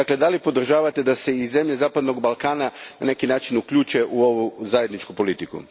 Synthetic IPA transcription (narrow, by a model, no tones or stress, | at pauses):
akle̞d̪alipo̞d̪r̩ʒaːʋat̪e̞d̪ase̞ize̞mʎe̞zaːpad̪no̞ɡbalˠkaːnana̰ne̞kinaːt͡ʃinukʎuːt͡ʃe̞ʔuo̞ʋuzaje̞d̪nit͡ʃkupo̞lit̪ikṵ